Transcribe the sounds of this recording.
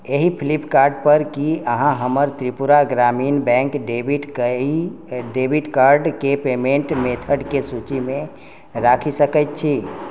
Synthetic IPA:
eɦipʰilipkaɾɖpəɾkiəɦãɦəməɾt̪ɾipuɾaɡɾaminbɛ̃ŋkɖebiʈki | ɖebʱiʈkaɾɖkepemeɳʈmet̪ʰəɖkesut͡ʃime | ɾakʰisəkət̪̚t͡ʃʰi

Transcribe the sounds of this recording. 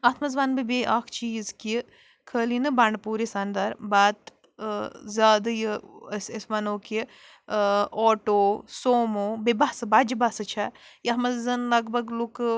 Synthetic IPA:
ɐt̪ʰmɐzʋaːnbibeʔaːkʰt͡ʃiːzki | kʰəːlinɨbaːɳɖpuːɾisɐnd̪ɐɾbaːt̪ | zʲaːd̪ɐjɨsɐsmɐnoːki | oːʈoːsoːmoːbibasɨbad͡ʒibasɐt͡ʃʰɐjɐɦmɐzɐnlɐɡbʱɐɡluk

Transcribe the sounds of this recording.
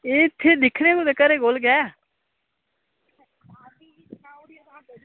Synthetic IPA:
eːɪt̪ʰːeːd̪ɪkʰneːkoːd̪ekːaɾeːɡoːlɡɛː

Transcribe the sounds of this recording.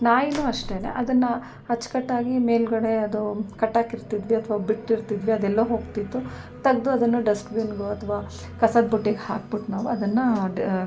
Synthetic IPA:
naːjinuːɐʂʈenḛʔɐd̪ɐnːɐ | ɐt͡ʃːkɐʈːaːɡimeːlɡɐɽe̞ɐd̪ukɐʈːaːkiɾt̪id̪ʋiɐt̪ʰʋaːbiʈːiɾt̪id̪ʋiɐd̪ɛlːɐɦoːɡt̪it̪ːu | t̪ɐɡd̪uɐd̪ɐnːuɖɐskbinɡoɐt̪ʰɐʋaː | kɐsɐd̪̚buʈːiɡhaːk̚biʈnaːʋuɐd̪ɐnːɐ

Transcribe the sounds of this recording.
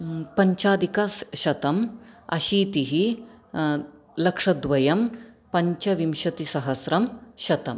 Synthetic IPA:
pɐɲt͡ʃaːd̪ʱikɐsʃɐt̪ɐmɐ̰ʃiːt̪iɦi | lɐkʂɐd̪ʋɐjɐm | pɐɲt͡ʃɐʋimʃɐt̪isɐɦɐsɾɐmʃɐt̪ɐm

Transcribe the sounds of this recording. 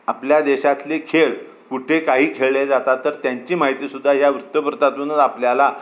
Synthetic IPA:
apljad̪eɕat̪lekʰeɭ | kuʈʰekaɦiːkʰeɭled͡zat̪at̪ːəɾt̪jaɲt͡ɕiːmaɦit̪iːsud̪ʱːaɦjaʋɾut̪ːəpəɾt̪at̪ənəd̪apljala

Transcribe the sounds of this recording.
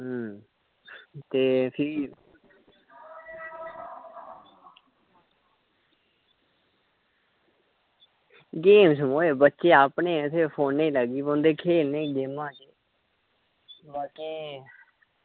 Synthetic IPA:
ɦ | t̪eːpʰɪ | ɡeːmsəmoːeːbətːʃeːaːpneːɪt̪ʰeːpʰoːnːẽːləɡiːbõnd̪eːkʰeːlnẽːɡeːmãːkeː | baːkeː

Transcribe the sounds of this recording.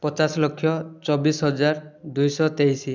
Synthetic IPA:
pɔt͡ʃaslokʰːjɔt͡ʃɔbisɦɔd͡ʒaɾd̪ujsɔt̪ejsi

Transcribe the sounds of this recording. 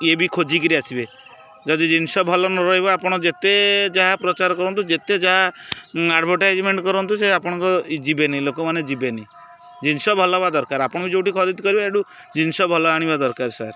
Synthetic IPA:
ebikʰod͡ʒikɔɾiasibe | d͡ʒɔd̪id͡ʒinsɔbʱɔlɔnɔɾɔɦibɔapɔɽ̃ɔd͡ʒet̪ed͡ʒaɦapɾɔt͡ʃaɾɔkɔɾɔnt̪ud͡ʒet̪ed͡ʒaɦaaɖbʱɔɾʈad͡ʒmeɳʈkɔɾɔnt̪useapɔɽ̃ɔŋkɔd͡ʒibenajlokɔmaned͡ʒibenai | d͡ʒinsɔbʱɔlɔbad̪ɔɾkaɾapɔɽ̃ɔbid͡ʒowʈikʰɔɾid̪kɔɾibaeɽu | d͡ʒinsɔbʱɔlɔaɽ̃ibad̪ɔɾkaɾsa̰ɾ

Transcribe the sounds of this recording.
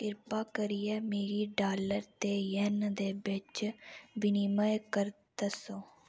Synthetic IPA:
kɪɾpaːkəɾijɛːmeːɾiːɖaːləɾt̪eːjənd̪eːbɪt͡ʃbɪniməjkəɾt̪əsõː

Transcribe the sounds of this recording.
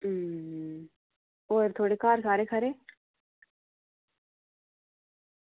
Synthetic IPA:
oːɾt̪ʰoːɽekaːɾkʰaɾekʰɐɾeː

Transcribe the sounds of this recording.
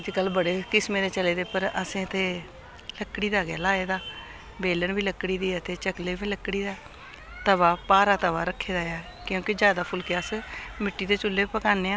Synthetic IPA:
d͡ʒkəlbəɽeːkɪsmeːd̪eːt͡ʃəleːd̪eːpəɾəsẽːət̪ʰeː | ləkːɽiːd̪aːɡɛ̰ːlaːeːd̪aː | beːləɳbiːləkːɽiːd̪iːt̪ʰeːt͡ʃəkleːbiːləkːɽiːd̪aː | t̪əʋaːpaːɾaːt̪əʋaːɾəkʰːeːd̪aːaː | kjõːkɪd͡ʒjaːd̪aːpʰʊlkeəsmɪʈːiːt̪eːt͡ʃʊlːeːpəkaːneːãː

